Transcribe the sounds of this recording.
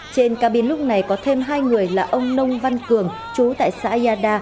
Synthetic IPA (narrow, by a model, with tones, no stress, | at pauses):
t͡ɕe˧nkaː˦˥ɓi˨˩ənlʊ˦˥k͡p̚na˨˩jkɔ˨˦t̪ʰe˧mɦaː˧jŋɨ˨˩əjlaː˨˩ʔə˧wŋ͡mnə˧wŋ͡mva˧nkɨ˨˩əŋ | t͡ɕu˨˦t̪a̰ː˧˨jsa̰ː˧˥i˧ʔaː˧ɗaː˧